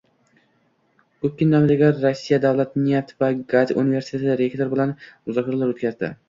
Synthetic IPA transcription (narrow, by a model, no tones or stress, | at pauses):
kɵp̚kʲɪnːamd̪ɪɡʲaɾːosːijad̪avlat̪nijat̪vaɡad̪ṵnive̞ɾsi̥t̪ʰet̪ʰɪɾekʲt̪ʰoɾbɪlanmʊzɒkʰʲaɾalaɾot̪kʲazd̪ɪ̰